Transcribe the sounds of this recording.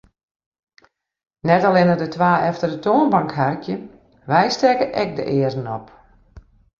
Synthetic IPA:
nɛtalɪnədətʋaːʔɛftərdətoənbaŋkɦarkʰjə | ʋɛjstɛkəʔɛk̚də̰ʔɪərənɔp

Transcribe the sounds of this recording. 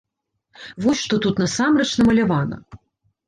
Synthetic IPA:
vɔsʲʂt̪ɔt̪ut̪nɐsamɾɐt͡ʃnɐmɐlʲavanɐ̰

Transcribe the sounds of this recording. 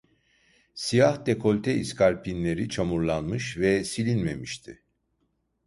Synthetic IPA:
sijahd̪e̞kʰo̞lʲt̪ʰɛiskʰaɾpʰinlʲe̞ɾit͡ʃʰamuɾlˠanmɯʃvɛsilʲinme̞miʃt̪ʰɪ

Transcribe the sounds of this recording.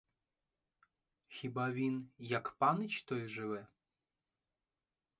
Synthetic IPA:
xʲibavʲinjakpanɨt͡ɕt̪ɔjʐɨvɛ

